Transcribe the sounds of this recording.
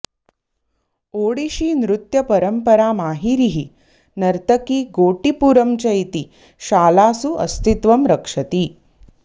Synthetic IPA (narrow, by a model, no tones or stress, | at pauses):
oːɽiɕiːnɾut̪jɐpɐɾəmpəɾaːmaːɦiɾiɦi | nɐɾt̪əkiːɡoːʈipuɾəmt͡ɕɐjt̪iː | ʃaːlaːsuʔɐ̰st̪it̪ʋɐmɾɐkʂɐt̪iː